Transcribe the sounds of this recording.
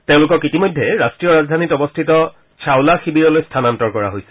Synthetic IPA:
teʊ̃lʊkɔkitimɔjdʱːɛɹastɹijɔɹazdʱanitɔbɔstʰitɔ | t͡ɕʰawlaxibiɹɔlojstʰanantɔɹkɔɹa̰ɦojsɛ̥

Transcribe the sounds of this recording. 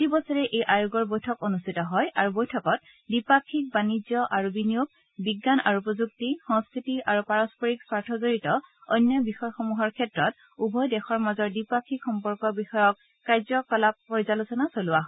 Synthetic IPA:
tibɔsɔɹɛʔejʔajuɡɔɹbojtʰɔkonustʰitɔɦɔjaɹubojtʰɔkɔt̚ | dipakʰːik̚banizjɔʔaɹubinijoɡ̚ | biɡːana̰ɹuupɔzuk̚tixɔŋskʰɹitiʔaɹupaɹɔspɔɹiksaɹtʰɔzoɹitɔɔ̰jnjɔbixɔjxomuɦɔɹkʰɛtɹɔt̚ | ubʱɔjdɛxɔɹmazɔɹdipakʰikʰxɔmpɔɹkɔbixɔjɔkː | ajzɔkɔlapːɔɹizalusɔnasolʊwaɦ

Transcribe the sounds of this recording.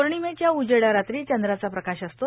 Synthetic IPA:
oɾɳimẽt͡ɕjaud͡ʑeɽaɾat̪ɾiːt͡ɕənd̪ɾat͡sapɾəkaɕəst̪o

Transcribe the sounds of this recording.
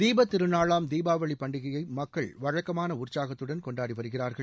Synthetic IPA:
d̪iːbɐt̪ːɪɾɯnaːɭaːmd̪iːbaːʋɐɭipːɐɳɖɪɣɐjɐɪmɐkːɐɭʋɐɻɐkːɐmaːnɐʊrt͡ʃaːɣɐt̪ːɯɽɐnkɔɳɖaːɽiʋɐɾɯɣɪraːɾɣɐɭ

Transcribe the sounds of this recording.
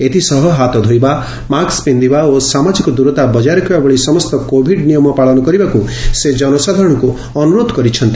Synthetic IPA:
et̪ʰisɔɦɔɦat̪ɔd̪ʱojba | makspend̪ibaosamad͡ʒikɔd̪uɾɔt̪abɔd͡ʒaɾɔkʰibabɔɭisɔmɔst̪ɔkobʱiɖnijɔmɔpaɭɔnɔkɔɾibakused͡ʒɔnɔsad̪ʱaɾɔɽ̃ɔku | ɔnuɾod̪ʱɔkɔɾit͡ʃʰɔnt̪i

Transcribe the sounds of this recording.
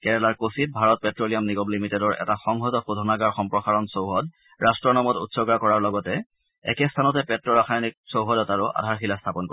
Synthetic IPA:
kɛɹɛlaɹkosit̚bʱaɹɔt̚pɛtɹolijamniɡɔblimitɛdɔɹɛ̰taxɔŋɦɔtɔxudʱɔnaɡaɹxɔmpɹɔxaɹɔnsowɦɔd | ɹastɹɔnɔmɔtṵtsɔɡakɔɹaɹlɔɡɔtɛ | ɛ̰kɛstʰanɔtɛpɛtɹɔɹaxajnik̚sowɦɔdɛtaɹʊʔa̰dʱaɹxilastʰapɔnkɔ

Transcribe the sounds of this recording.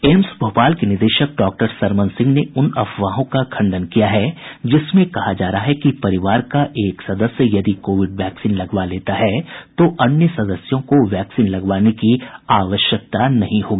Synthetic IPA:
eːmsbʱoːpaːlkenɪɾd̪eːʃək̚ɖɔːk̚ʈəɾsɐɾmə̃nsɪ̃ŋɡneʊnɐfʰʋaːɦõkakʰɐ̃ɳɖənkijaɦɛd͡ʒɪsmẽkɐɦad͡ʒaːɾaɦaɦɛkipɐɾɪʋaːɾkaʔeːksɐd̪əsjəjɐd̪ikoːʋɪɖʋɛːksiːnlɐɡʋaleːt̪aɦɛt̪oʔɐnjəsɐd̪əsjõkoʋɛːksiːnlɐɡʋaːnekiaːʋəʃjək̚t̪anɐɦĩɦoːɡiiː

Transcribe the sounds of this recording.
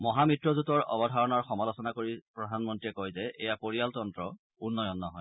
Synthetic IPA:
mɔɦamitɹɔzutɔɹɔ̰bɔdʱaɹɔnaɹxɔmalɔsɔnakoɹipɹɔdʱanmɔntiɛkɔjzɛʔɛjapoɹijaltɔndɹɔ | unːɔjɔnːɔɦɔj

